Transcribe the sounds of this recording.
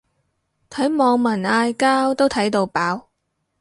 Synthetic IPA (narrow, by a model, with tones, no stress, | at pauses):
t̪ʰɐ˨˥jmɔː˨˧ŋmɐ˨˩naː˧jkaː˥wt̪o˥wt̪ʰɐ˨˥jt̪o˧wpaː˨˥w